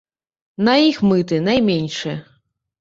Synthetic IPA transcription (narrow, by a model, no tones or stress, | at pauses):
nɐixmɨt̪̬ɨnajmʲenʲʂɨ